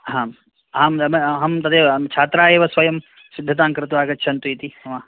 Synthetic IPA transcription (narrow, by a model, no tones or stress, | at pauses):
ɦãːm | ɦãːmɐmɦɐmt̪ɐd̪ʰet͡ʃʰaːt̪ɾaeːʋɐsʋɐjɐm | sɪd̪ʱːɐt̪ãːŋkɐɾt̪̬oaːɡɐt͡ʃʰɐnt̪uit̪iːɐmãː